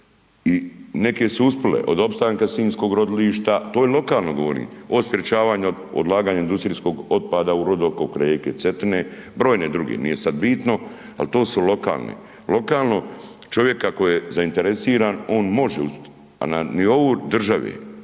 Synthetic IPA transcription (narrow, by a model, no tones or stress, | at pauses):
inekesuusplḛʔo̞d̪o̞pst̪aːŋkasiːnsko̞ːɡɾo̞d̪liːʃt̪at̪oːjelo̞kaːlˠno̞ɡoʋoɾḭːospɾet͡ʃaːʋaːɲuod̪od̪lˠaːɡaːɲaind̪ust̪ɾiːsko̞ɡo̞t̪̚paːd̪auɾod̪okokɾeːket̪set̪nebɾo̞ːjned̪ɾuɡḛːnḭjesad̪biːt̪no̞ | a̰lt̪o̞ːsulo̞ka̰ːlˠnḛ | lo̞kaːlˠno̞ | t͡ʃo̞ʋje̞kːakojezaint̪eɾesiːɾaːno̞ːnmo̞ʒeusp | a̰nanio̞ʋuɾd̪r̩ʒaʋḛː